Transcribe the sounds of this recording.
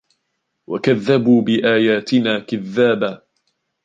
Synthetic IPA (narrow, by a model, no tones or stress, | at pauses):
wa̰kaðːabuːbɪʔaːjaːt̪ɪnaːkɪðːaːba